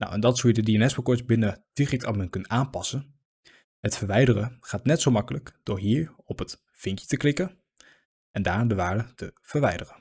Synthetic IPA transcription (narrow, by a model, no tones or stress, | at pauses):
na̰wɛndɑtsuːjədədiɛnɛspəkɔɹtbɪnəd̥irɛktɑmənkɵnaːnpɑsən | hətfəɹʋɛjdərəχaːtnɛtsowmɑkələkd̥ʊːɹɦiːɹ | ɔpət | fɪŋkjə̥təklɪkən | ʔɛndaːɹdəʋaːɹdətəv̥əɹʋɛjdərən